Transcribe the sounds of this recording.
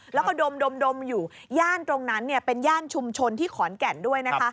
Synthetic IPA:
lɛː˦˥wkɔː˥˩do˧mdo˧mdo˧mjuː˨˩ | jaː˥˩nt̪ɾo˧ŋna˦˥nːi˥˩ɐpe˧njaː˥˩nt͡ɕʰu˧mt͡ɕʰo˧nt̪ʰiː˥˩kʰɔː˩˦nkɛ˨˩ndu˥˩əjna˦˥kkʰa˦˥

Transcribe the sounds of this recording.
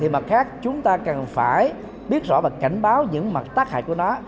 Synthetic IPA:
i˨˩mə˨˩t̚xaː˦˥k̚t͡ɕʊ˨˦ŋ͡mt̪aː˧kə˨˩nfaː˧˩j | ɓi˦˥ət̚zɔ̰˧˥vaː˨˩ka˧˩jŋ̟ɓaː˨˦wɲɨ̰˧˥ŋma˨˩t̚t̪aː˦˥k̚ha̰ː˨˩jku˧˩ənɔ˨˦

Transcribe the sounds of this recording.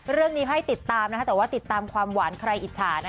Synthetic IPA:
ɾɯ˥˩əŋniː˦˥ɦa˥˩jt̪i˨˩t̪ːaː˧mn˥ka˦˥t̪ɛː˨˩waː˥˩t̪i˨˩t̪ːaː˧mkʰwaː˧mwaː˩˦nkʰɾa˧jʔi˨˩t̪̚t͡ɕʰaː˩˦n˦˥

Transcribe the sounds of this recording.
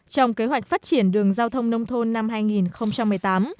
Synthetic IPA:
t͡ɕɔ˧wŋ͡mke˨˦ɦwa˨˩jk̟̚faː˦˥t̚t͡ɕi˧˩ənɗɨ˨˩əŋzaː˧wt̪ʰə˧wŋ͡mnə˧wŋ͡mt̪ʰo˧nːa˧mɦaː˧jŋi˨˩nxə˧wŋ͡mt͡ɕa˧mːɨ˨˩əjt̪aː˨˦m

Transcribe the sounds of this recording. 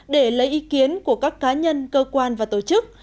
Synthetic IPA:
ɗe˧˩lə˨˦jʔi˨˦ki˨˦ənku˧˩əkaː˦˥kːaː˨˦ɲə˧nkəː˧kwaː˧nvaː˨˩t̪o˧˩t͡ɕɨ˦˥k̚

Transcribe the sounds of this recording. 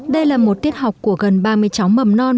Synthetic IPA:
ɗə˧jlaː˨˩mo˨˩t̚t̪i˦˥ət̚ha˨˩wk͡p̚kːu˧˩əɣə˨˩nɓaː˧mɨ˧əjt͡ɕa˨˦wmə˨˩mnɔ˧n

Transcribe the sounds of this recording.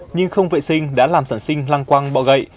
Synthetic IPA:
ɲɨ˧ŋxə˧wŋ͡mvḛ˧˨sï˧ŋ̟ɗa̰ː˧˥laː˨˩msaː˧˩nsï˧ŋ̟laː˧ŋkwa˧ŋɓɔ̰˧˨wɣə̰˧˨j

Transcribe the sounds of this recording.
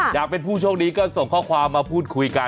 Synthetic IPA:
jaː˨˩k̚pe˧npʰuː˥˩t͡ɕʰu˥˩ək̚niː˦˥kɔː˥˩so˨˩ŋkʰɔː˥˩kʰwaː˧mːaː˧pʰuː˥˩t̪̚kʰu˧jka˧

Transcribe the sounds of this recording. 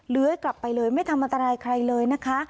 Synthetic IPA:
lɯ˦ɐəkla˨˩pːa˧jlɤː˧jma˥˩jt̪ʰa˧mʔa˧nt̪a˧ɾaː˧jkʰɾa˧jlɤː˧jna˦˥kʰa˦˥

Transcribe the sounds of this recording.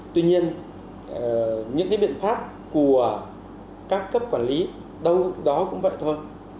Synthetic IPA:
t̪wi˧ɲi˧ən | ɲɨ̰˧˥ŋkaː˨˦ɓḭ˧˨ənfaː˦˥p̚ | ku˧˩ə | kaː˦˥kːə˦˥p̚kwaː˧˩nli˨˦ | ɗə˧wɗɔ˨˦kʊ̰˧˥ŋ͡mvə̰ː˧˨jt̪ʰwə˧n

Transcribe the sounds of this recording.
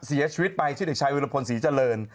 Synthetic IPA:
si˨˩˦ɐt͡ɕʰiː˧wt̪̚pa˧jt͡ɕ̪ʰiː˥˩de˨˩k̚t͡ɕʰa˧˥jwu˧la˧pʰo˧nsiː˩˦t͡ɕa˧lɤː˧n

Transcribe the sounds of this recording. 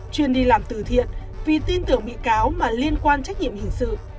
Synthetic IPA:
t͡ɕwi˨˩ənɗi˧˩laː˨˩mt̪ɨ˧˩t̪ʰḭ˧˨ən | vi˨˩t̪i˧nt̪ɨ˨˩əŋɓḭ˧˨kaː˨˦wmaː˨˩li˧ənkwaː˧nt͡ɕa˦˥k̟̚ɲḭ˧˨əmhï˧˩ŋ̟sɨ̰˧˨

